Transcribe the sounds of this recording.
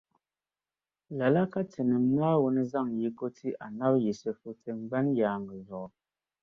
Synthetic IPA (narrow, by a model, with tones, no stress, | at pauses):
la˨la˦ka˦t͡se˨nə˨m˦na˦wo˦nə˦za˦˨ŋji˨˦ko˦ti˦ʔa˨na˦p̚ji˨sə˨fu˦t͡se˨ŋ͡mɡ͡ba˦nja˨ŋɡə˨zɔ˨